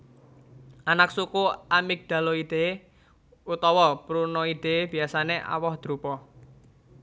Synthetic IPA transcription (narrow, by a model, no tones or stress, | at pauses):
ʔanaksukuʔamik̚d̪̥a̤loid̪̥e | ut̪ɔwɔpɾunɔid̪̥e̤b̥i̤asaneʔa̰wɔhd̪̥ɾupɔ